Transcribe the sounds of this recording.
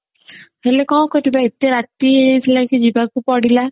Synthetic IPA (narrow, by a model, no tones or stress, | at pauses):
ɦelekɔ̃wkɔt̪ibaet̪eɾat̪iɦejt̪ʰilakid͡ʒibakupɔɽila